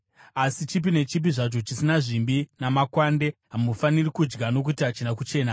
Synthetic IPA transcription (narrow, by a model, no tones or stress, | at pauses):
asit͡ʃip̬ine̞t͡ʃip̬iʐat͡ʃo̞t͡ʃisinaʐimbinamakwande̞ɦamufanirikud͡ʒɡano̞k̬utiat͡ʃinakut͡ʃe̞ːna